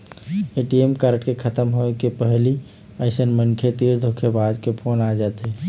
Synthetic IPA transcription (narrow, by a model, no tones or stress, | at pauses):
eʈiemkaːɾʈkekʰət̪əmɦoekepəɦli | əɪsənmənkʰet̪iːɾd̪ʱokʰebad͡ʒkepʰoːnad͡ʒaːt̪eː